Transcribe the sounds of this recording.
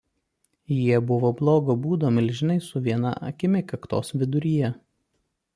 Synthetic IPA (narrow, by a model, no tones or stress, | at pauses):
jiɛbʊʋoːblˠoːɡoːbuːd̪oːmʲɪlʲʒʲɪnɐɪsʊʋʲiɛnɐ̰ʔɐ̰kʲɪmʲɪkɐkt̪o̰ːsʋʲɪd̪ʊɾʲijɛ